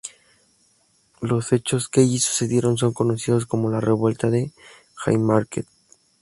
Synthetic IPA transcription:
lo̞se̞t͡ʃo̞skeeʝisu̥se̞ðje̞ɾo̞ns̬o̞ŋko̞nosiðo̞s̬ko̞mo̞lare̞βwe̞lt̪aðe̞ | xa̰jmaɾkḛt̪̚

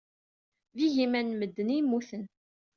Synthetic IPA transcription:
viʝimænməd̪ːənimːuθən

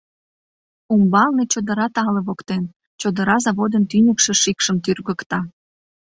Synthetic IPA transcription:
umbɑlnet͡ɕod̪əɾɑt̪ɑleβokt̪en | t͡ɕod̪əɾɑzɑβod̪ənt̪ynʲəkʃĕʃikʃəmt̪yrɣəkt̪ɑ

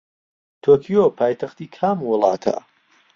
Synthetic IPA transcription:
t̪ʰokʰijopʰaːjt̪ʰɐxt̪iːkʰaːmwʊlˠɑ̰ːt̪ʰa̰

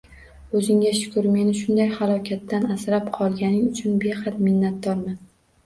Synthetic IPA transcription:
ɵzɪŋɡʲaʃʊ̥kʰʊɾme̞nɪʃ̬ʊnd̪ajhalˠɒkʲʰat̪ːanasɾapqʰɒlˠɡʲanɪŋʊt͡ʃʰʊnbe̞qɑt̪mɪnːat̪̚d̪ɒɾman

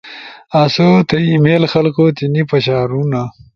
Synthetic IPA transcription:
asot̪ɐimelxɐlkot̪inipɐɕaːɾuna

